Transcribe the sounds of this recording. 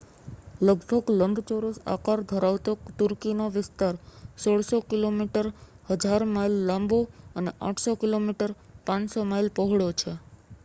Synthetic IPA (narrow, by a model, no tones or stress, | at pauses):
ləɡbʱəɡləɳɖt͡ʃoɾosa̰kaɾd̪ʱəɾaʋt̪ot̪ʊɾkinoʋɪst̪aɾsoɽsokilomiʈəɾhəd͡ʒaɾmajlːãmboəneʔa̰ʈʰsokilomiʈəɾ | pãɲsomajlpəɦɽjot͡ʃʰe